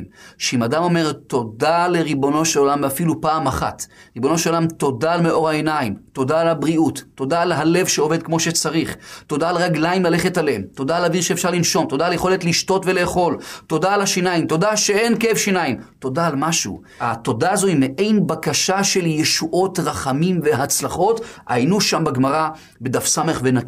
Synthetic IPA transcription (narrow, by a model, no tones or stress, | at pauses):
ʃeimadamo̞me̞ʁt̪o̞dale̞ʁibo̞no̞ʃelolamafilupaːmaχa̰t | ʁibo̞no̞ʃelolamto̞dalmeʔo̞ʁaenaimto̞daːlabʁiutːo̞daːlɦale̞vʃeo̞ve̞d̪̚kmo̞ʃet͡saʁiχto̞daːleʁaɡlaimlale̞χetaleemt̪o̞daːlaviʁʃeefʃaʁlinʃo̞mto̞daːljeχo̞letliʃto̞tvele̞ːχo̞lto̞daːlaʃinaimt̪o̞daʃee̞nkefʃinaimto̞daːlmaʃṵ | ato̞daːzo̞imeʔe̞jnbakaʃaʃe̞ljeʃuʔo̞tʁaχamimve̞ɦat͡slaχo̞ta̰jnuʃambaɡmaʁa | bed̪afsame̞χvenaki